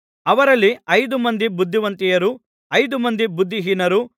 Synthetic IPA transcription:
ɐʋɐɾɐlːiɐjd̪umɐnd̪ibud̪ʱːiʋɐnt̪ijɐɾu | ɐjd̪umɐnd̪ibud̪ʱːiɦiːnɐɾu

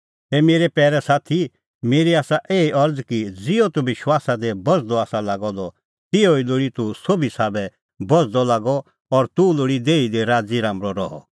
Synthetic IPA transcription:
ɛmeːɾepɛːɾɛsaːt̪ʰi | meːɾiaːsaʔeːiʔɐɾd͡zkid͡zɪɔt̪ubɪʃwaːsad̪ebɔd͡zd̪ɔaːsalaːɡɔ̃d̪ɔ | t̪ɪoiloːɽit̪usobisaːbɛ | bɔd͡zd̪ɔlaːɡɔ | ɔɾt̪uloːɽid̪eːid̪eɾaːd͡ziɾãːmɾɔɾɔɦɔ̰

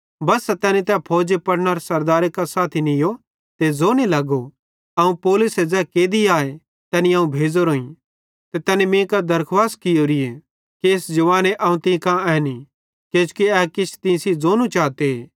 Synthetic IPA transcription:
bɐsːɛt̪ɛːnit̪ɛpʰoːd͡ʒepɐɽnaɾesɐɾd̪aːɾekasaːt̪ʰinɪjo | t̪ed͡zoːnilɐɡo | ɐũpoːlʊsɛd͡zɛkeːd̪iaːe | t̪ɛːnĩãũbʱeːd͡zoɾoːĩ | t̪et̪ɛːnimẽːkad̪ɐɾkʰʋaːskɪjoɾɪe | keːsd͡ʒɐʋaːneʔɐːũt̪ɪ̃kãɛːni | keːt͡ʃkiɛːkɪt͡ʃʰt̪ɪ̃sid͡zoːnũt͡ʃaːt̪eː

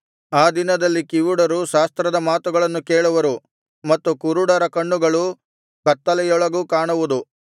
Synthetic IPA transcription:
aːd̪inɐd̪ɐlːikiʋuɽɐɾuʃaːst̪ɾɐd̪ɐmaːt̪uɡɐɭɐnːukeːɭuʋɐɾu | mɐt̪ːukuɾuɽɐɾɐkɐɳːuɡɐɭu | kɐt̪ːɐlɛjɔɭɐɡuːkaːɳuʋud̪u

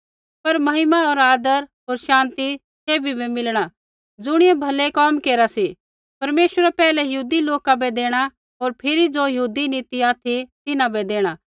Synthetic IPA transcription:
pɐɾmɐɦɪmaɦoːɾaːd̪əɾɦoːɾʃãːnt̪i | seːbʱibʱemɪlɽ̃a | d͡zʊɽ̃ɪebʱɐlekɔːmkeːɾasi | pɐɾmeːʃəɾɛpɛːlɛjɐɦuːd̪iloːkabɛd̪eːɽ̃a | ɦoːɾpʰɪɾid͡zojɐɦuːd̪ineːt̪iaːt̪ʰit̪ɪnãbɛd̪eːɽ̃aː

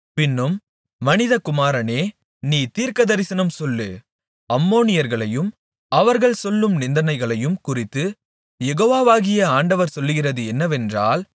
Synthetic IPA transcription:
pɪnːɯmː | ɐnɪðɐkʊmaːɾɐneː | niːt̪iːɾkɐðɐɾɪsɐnɐmsɔlːɯ | ɐmːoːnɪjɐɾɣɐɭɐjɯm | ɐʋɐɾɣɐɭsɔlːɯmnɪnd̪ɐnɐɪɣɐɭɐjɯmkʊrɪt̪ːɯ | jɛɣoːʋaːʋaːɣɪjɐaːɳɖɐʋɐɾsɔlːɯɣɪrɐðɯɛnːɐʋɛndraːl

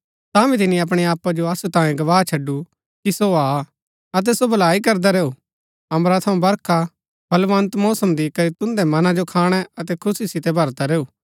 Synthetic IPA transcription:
t̪abĩt̪̬ɪniɐp̬ɽ̃ɛaːpːad͡ʒoɐsut̪ãːjẽɡɐʋaːɦt͡ʃʰɐɖːu | kisoaː | ɐt̪̬ɛsobʱɐlaːikɐɾd̪aɾeːu | ɐ̃mɾat̪ʰɐũbɐɾkʰa | bʱɐlʋɐnt̪moːsɐmd̪ikɐɾit̪ʊ̃nd̪ɛmɐnãd͡ʒokʰaːɽ̃ɛɐt̪ɛkʰʊsisɪt̪ɛbʱɐɾt̪aɾeːuː

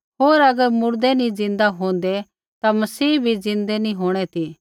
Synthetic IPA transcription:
ɦoːɾɐɡəɾmʊɾd̪ɛnĩd͡zɪ̃nd̪aɦõːn̆d̪ɛ | t̪amɐsiːbʱid͡zɪ̃nd̪ɛnĩɦoːɽ̃ɛt̪ʰiː

